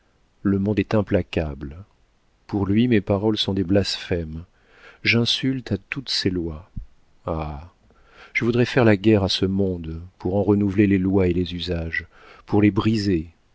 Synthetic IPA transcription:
ləmɔ̃d̪ɛt̪ɛ̃plakʲabl | puʁlɥimepaʁɔlsɔ̃d̪eblasfɛm | ʒɛ̃sylt̪at̪ut̪selwa | a | ʒ̥əvud̪ʁɛfɛʁlaɡʲɛʁasəmɔ̃d̪puʁɑ̃ʁənuvlelelwaelezyzaʒ | puʁlebʁize

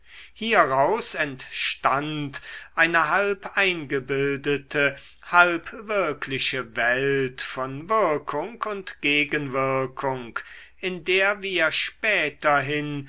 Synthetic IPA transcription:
hiːɐʁaʊsɛntʃtantʔaɪnəɦalpʔaɪnɡəbɪldətʰə | halpvɪɐkʰlɪʃəvɛltfɔnvɪɐkʰʊŋkʊntɡ̥eːɡənvɪɐkʰʊŋk | ʔɪndeːɐviːɐʃpɛːtɐɦɪn

